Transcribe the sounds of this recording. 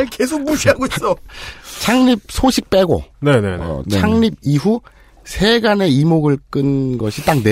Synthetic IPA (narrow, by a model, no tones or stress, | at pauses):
kesʰok̚muɕʰiɦaɡois͈ʌt͡ɕʰaŋɲib̚sʰoɕʰik̚p͈e̞ɡo̰nenḛʌ̰t͡ɕʰaŋɲib̚iɦu | sʰe̞ɡane̞imoɡɯɭk͈ɯnɡʌɕʰit͈ak̚ne